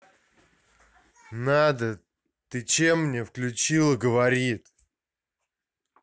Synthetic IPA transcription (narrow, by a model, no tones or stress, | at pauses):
nad̪ə | t̪ɨt͡ɕemːnʲe̞fklʲʉt͡ɕilˠɨɡəvɐɾʲit̪